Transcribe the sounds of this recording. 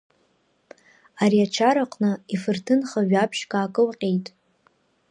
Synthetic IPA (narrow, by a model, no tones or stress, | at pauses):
aɾiat͡ʃʰaɾaqʼnɨifɨrtʰɨnχaɥᶣapʰʃkʼaːkʼɨlqʲʼejtʼ